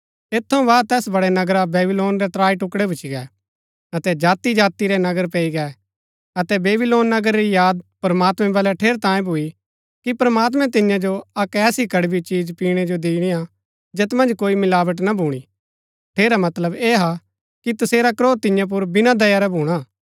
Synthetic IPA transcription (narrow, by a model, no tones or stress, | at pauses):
eːt̪ʰːɐũʋaːt̪ɛːsbɐɽɛnɐɡɾabeːbɪloːnɾɛt̪ɾaːiʈʊkɽɛbʱʊt͡ʃiɡɛ | ɐt̪ɛd͡ʒaːt̪id͡ʒaːt̪iɾɛnɐɡəɾpɛːiɡɛ | ɐt̪ɛbeːbɪloːnːɐɡəɾɾijaːd̪̚pɾmaːt̪mɛ̃bɐlɛʈʰeːɾt̪ãːjẽbʱui | kipɾmaːt̪̬mɛ̃t̪ɪjãd͡ʒoɐkɛːsikɐɽbit͡ʃiːd͡ʒpiːɽ̃ɛd͡ʒod̪iːɽ̃ija | d͡ʒet̪mɐ̃nd͡ʒkoːimɪlaːʋəʈ̬nɐbʱuːɽ̃i | ʈʰeːɾamɐt̪ləbeːɦa | kit̪ɐseːɾakɾoːt̪ɪjãp̬ʊɾbɪnãd̪ɐjaɾɛbʱuːɽ̃aː